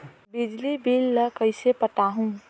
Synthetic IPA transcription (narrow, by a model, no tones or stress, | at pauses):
bɪd͡ʒlibilːəkəɪsepəʈaɦũ